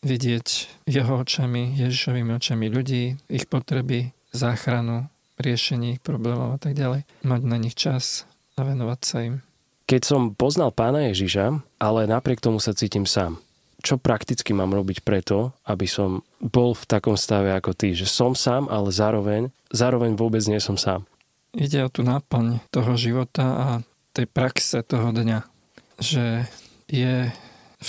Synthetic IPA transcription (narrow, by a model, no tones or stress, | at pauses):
ʋiɟɪɛcjɛɦɔɔt͡ʃamijɛʒiʃɔʋimiɔt͡ʃamiʎuɟiːixpɔt̪ɾɛbi | zaːxɾanu | ɾɪɛʃɛɲɪɛixpɾɔblɛːmɔʊat̪aɡɟalɛj | maɟnaɲixt͡ʃas | aʋɛnɔʋacsaim | kɛcsɔmpɔznalˠpaːnajɛʒiʃaʔalɛnapɾɪɛk̚t̪ɔmusat͡siːcimsaːm | t͡ʃɔpɾakt̪it͡skimaːmɾɔbicpɾɛt̪ɔabisɔm | bɔlft̪akɔmst̪aʋɛakɔt̪iʒɛsɔmsaːmʔalɛzaːɾɔʋɛɲ | zaːɾɔʋɛɲʋʊɔbɛd͡zɲɪɛsɔmsa̰ːm | iɟɛɔt̪uːnaːpl̩ɲt̪ɔɦɔʒiʋɔt̪aa | t̪ɛjpɾaksɛt̪ɔɦɔd̪ɲa | ʒɛ | jɛ | f